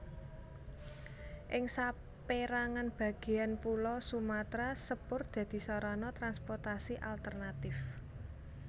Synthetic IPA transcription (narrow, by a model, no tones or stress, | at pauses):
ʔɪŋsa | peɾaŋanb̥ä̤ɡ̥e̤anpulɔsumat̪ɾasəpʊrd̪̥ä̤d̪̥i̤sɔɾɔnɔt̪ɾanspɔrt̪asiʔalt̪ərnat̪ɪf